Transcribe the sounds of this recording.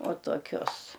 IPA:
uɔ toːˈkʲʊs

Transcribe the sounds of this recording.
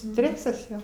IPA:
ˈsʲtʲrʲæːsɐs ˈjoː

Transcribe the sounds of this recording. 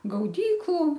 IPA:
ɡɐʊˈdʲiːklˠʊ

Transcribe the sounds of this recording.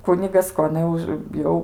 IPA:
ˈkʊnʲɪɡɐs ˈkoː ɐˈnɐ ʊʃ ˈjɛʊ

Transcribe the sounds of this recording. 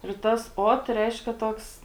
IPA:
ɪr ˈtɐs ˈoːt ˈrʲɛɪʃʲkʲɛ ˈtoːks

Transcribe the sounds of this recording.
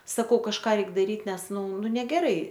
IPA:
sɐˈkɐʊ kɐʃˈkɑː ˈrʲɛɪk dɐˈrʲiːt ˈnʲɛs ˈnʊ ˈnʊ nʲɛɡʲɛˈrɐɪ

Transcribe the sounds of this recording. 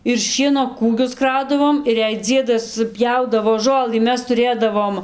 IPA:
ɪr ˈʃʲiɛnoː ˈkuːɡʲʊs ˈkrɐʊdɐʋoːm ɪr jɛɪ ˈd͡zʲiɛdɐs ˈpʲjɛʊdɐʋoː ˈʒoːlˠɨ ˈmʲɛs tʊˈrʲeːdɐʋoːm

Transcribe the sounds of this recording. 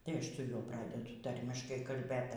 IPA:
tɐɪ ˈɐʃ toːˈlʲɛʊ ˈprɑːdʲɛdʊ ˈtɐrʲmʲɪʃkɐɪ kɐlʲˈbʲeːt

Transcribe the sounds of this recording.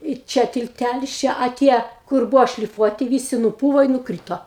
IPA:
ɪ ˈt͡ʃʲɛ tʲɪlʲˈtʲælʲɪs ˈt͡ʃʲɛ ɐ ˈtʲiɛ kʊr ˈbuːʋoː ʃʲlʲɪˈfuɔtʲɪ ˈʋʲiːsʲɪ nʊˈpuːʋoː ɪ nʊˈkrʲiːtoː

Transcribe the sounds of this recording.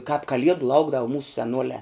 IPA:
kɑːp kɐˈlʲiɛdʊ ˈlˠɐʊɡdɐʋoː muːs sʲɛˈnuɔlʲæː

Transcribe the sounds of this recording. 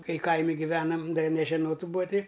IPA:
ˈkɐɪ ˈkɐɪmʲɪ ɡʲɪˈʋʲæːnɐm ˈdɐ jɪ nʲɛʒʲɛˈnoːt ˈbuːɐ ˈtʲɪ

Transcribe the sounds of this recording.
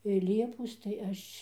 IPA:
ɪ ˈlʲiɛpoːs tɐɪ ˈɐʃʲ

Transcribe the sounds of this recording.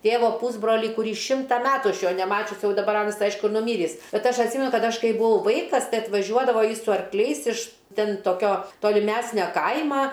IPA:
ˈtʲeːʋoː ˈpuːzbroːlʲiː kʊˈrʲiː ˈʃʲɪmtɐ ˈmʲæːtʊ ˈɐʃ ˈjoː nʲɛˈmɑːt͡ʃʲʊs ˈjɛʊ dɐˈbɐr ˈɑːnɐs ˈɐɪʃkʊ ɪr nʊˈmʲiːrʲiːs ˈbʲɛt ˈɐʃ ɐtʲˈsʲiːmʲɛnʊ ˈkɐt ˈɐʃ ˈkɐɪ bʊˈɐʊ ˈʋɐɪkɐs ˈtɐɪ ɐtʋɐˈʒʲuɔdɐʋoː ˈjɪs sʊ ɐrkˈlʲɛɪs ɪʃ ˈtʲɛn toːˈkʲoː toːlʲɪˈmʲæːsʲnʲoː ˈkɐɪmɐ

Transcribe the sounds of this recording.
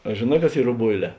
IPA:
ɐ ʒʲeːˈnɑː kɐs ˈiːr roːˈboːɪˌlʲɛː

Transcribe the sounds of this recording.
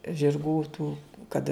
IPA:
ʒʲɪrˈɡuː tuː ˈkɐt

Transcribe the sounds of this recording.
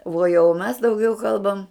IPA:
ʋuɔ jɛʊ mʲɛs dɐʊˈɡʲɛʊ ˈkɐlˠbɐm

